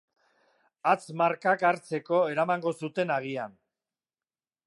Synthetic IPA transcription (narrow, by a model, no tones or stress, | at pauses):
at͡smaɾkakaɾt͡se̞ko̞e̞ɾamaŋɡo̞sut̪e̞naɣ̞ian